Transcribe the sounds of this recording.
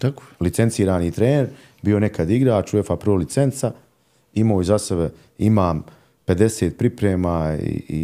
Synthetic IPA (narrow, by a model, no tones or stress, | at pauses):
t̪ako̥jlit̪se̞nt̪siːɾaːniːt̪ɾeːneɾ | bio̞ne̞kʰad̪iɡɾaːt͡ʃuefapɾolit̪se̞nt̪sa | imoːizasebe | imaːm | pe̞d̪e̞seːt̪̚pɾipɾeːmaːḭḭ